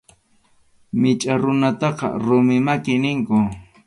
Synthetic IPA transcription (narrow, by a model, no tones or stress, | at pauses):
mɪt͡ʃʼaɾʊnat̪ɑqɑ̰ɾʊmɪmakɪnɪŋkʊ